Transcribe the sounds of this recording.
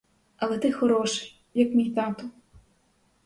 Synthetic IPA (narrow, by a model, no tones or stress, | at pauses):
ɐlˠɛt̪ɪxɔɾɔʃɪ̥j | jɐkmʲijʲt̪ɑt̪ʊ